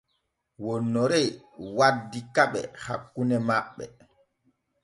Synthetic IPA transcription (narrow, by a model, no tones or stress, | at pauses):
wɔnːɔɾɛjwadːikaɓɛ̰ha̰kːunɛmaɓːɛ̰